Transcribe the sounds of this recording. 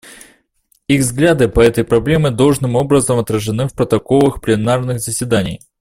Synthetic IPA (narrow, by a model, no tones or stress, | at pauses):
iɣvzɡlʲad̪ɨpɐɛt̪əjpɾɐblʲe̞mɨd̪o̞lˠʐnɨmo̞bɾəzəmɐt̪ɾəʐɨnɨfpɾət̪ɐko̞lˠəxplʲɪnarnɨɣzəsʲvʲɪd̪anʲɪ̰j